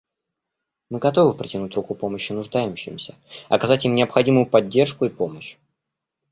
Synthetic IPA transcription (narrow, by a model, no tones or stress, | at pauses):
mɨɡɐt̪o̞vɨpɾʲɪtʲɪnutʲrukupo̞məɕːɪnʊʐd̪ajɪmɕːɪmʲsʲəɐkɐzatʲimnʲɪɐpxɐdʲimʊjʊpɐdʲːe̞rʂkʊipo̞məɕ